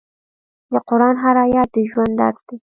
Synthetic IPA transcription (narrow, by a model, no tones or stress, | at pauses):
d̪əqʊɾɑnɦaɾɑjɑt̪̚d̪əʒwand̪ɑ̰ɾsd̪̥e